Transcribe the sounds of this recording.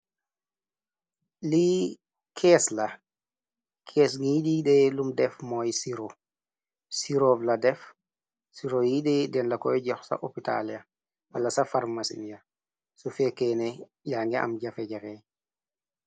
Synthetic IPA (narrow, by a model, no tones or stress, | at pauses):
li | kʰɛsla | kʰɛːs̬ŋiiɗiɗɛlumdɛfmɔjsiɾo | siɾovladɛf | siɾojiɗɛdɛnlakɔjɟafsa̰ʔopita̰lia | walːasafaɾmasḭnija | sufɛkɛnɛ | jaŋɡɛʔa̰mɟafɛɟafɛ